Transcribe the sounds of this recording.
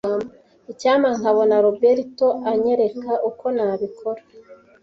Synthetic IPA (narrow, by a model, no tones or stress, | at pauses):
am | icaːmaŋaβo̞naɾobeɾito̞aɲe̞ɾe̞kaʔuko̞naːβikʰo̞ɾa